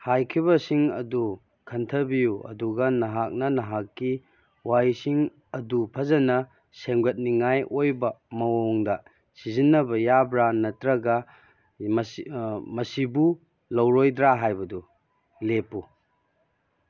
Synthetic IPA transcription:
hajkʰibɐsiŋɐ̰du | kʰɐntʰɐbijuɐ̰duɡɐnɐɦak̚nɐnɐɦakːi | wajsiŋ | ɐdupʰɐzɐnɐ | seŋɡɐt̚niŋajojbɐmɐwoŋdɐ | sizinːɐbɐjabɾanɐtɾɐɡɐ | m | mɐsibu | lɐwɾojdɾaɦajbɐdu | lepu

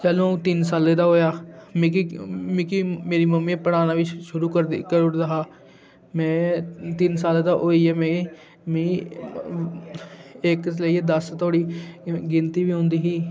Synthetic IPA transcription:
t͡ʃəlõːt̪ɪnsaːleːd̪aːɦoːjaːmkmɪkimeːɾiːməmiːpəɽaːnaːʋɪt͡ʃʃʊɾuːkəɾkəoɽd̪aːɦaː | mɛ̃ːt̪ɪnsaːleːd̪aːʔoːiːɛːmẽː | mĩː | ɪkləiːed̪əst̪oːɽiːɡɪnt̪iːʋiːɦʊ̃nd̪iːɦiː

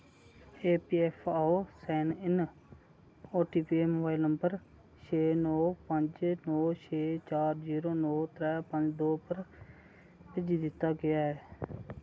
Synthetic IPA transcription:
eːpiːɛːpʰaːoːsɛːnɪn | oːʈiːpːeːmobaːɪlnəmbəɾ | t͡ʃʰeːnɔːpəɲd͡ʒnɔːt͡ʃʰeːt͡ʃaːɾziːɾoːnoːt̪ʰɾɛːpəɲd͡ʒd̪oːpəɾ | pɪd͡ʒiːd̪ɪt̪ːaːɡɪjaːɛː

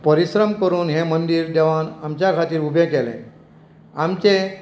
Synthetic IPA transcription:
pəɾiɕɾəmkəɾuːnɦemənd̪iːɾd̪eʋanamt͡ɕjakʰat̪iːɾubʱẽkɛlḛ̃ | amt͡ɕe

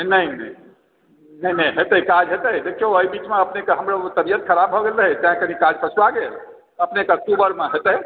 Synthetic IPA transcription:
nəinə | nəinə̃iɦet̪əkad͡ʒɦet̪əjd̪ekʰioəibit͡ʃmeəpnekeɦəmɾət̪əbijət̪̚kʰəɾabɦoɡeləɦɛt̪əɦĩkənikad͡ʒpəsʰwaɡel | əpnekeək̚ʈubəɾmeɦet̪əi

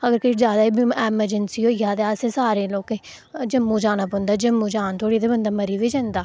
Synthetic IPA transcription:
əɡəɾkɪid͡ʒjaːd̪aːiːbɛːməɾd͡ʒənsiːoːjaːd̪sẽːsaːɾeːloːkeː | d͡ʒəmːũːd͡ʒaːnaːpõnd̪aːd͡ʒəmːuːd͡ʒaːnt̪ʰoːɽiːd̪ebənd̪aːməɾiːʋiːd͡ʒãnd̪aː

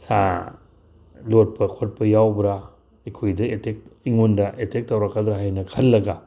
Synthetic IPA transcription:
sa̰ | lot̚pʰɐkʰot̚pɐjawbɾa | ikʰojdɐetek̚iŋondɐʔetek̚tːɐwɾakːɐd̪ɾaɦajnɐkʰɐlːɐɡa

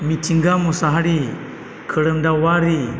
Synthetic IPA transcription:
mitʰiŋɡamɔsaɦaɾi | kʰəɽəmdawaɾi

